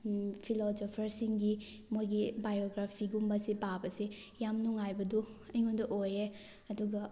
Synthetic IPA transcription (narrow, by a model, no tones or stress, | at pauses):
pʰilozopʰɐɾsiŋɡi | mojɡibajoɡɾapʰiɡumbɐsibabɐsi | jamnuŋajbɐduɐjŋondɐʔoje | ɐduɡɐ